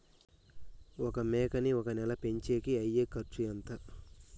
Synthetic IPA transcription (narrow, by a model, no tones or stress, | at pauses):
ɔkɐmɛːkɐniɔkɐnɛlɐpe̞ɲt͡ʃe̞ːkiɐjːeːkɐɾt͡ʃijɐnt̪a